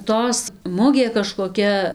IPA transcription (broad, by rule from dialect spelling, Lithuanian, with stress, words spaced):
ˈtoːs ˈmʊɡʲeː kɐʃkoːˈkʲɛ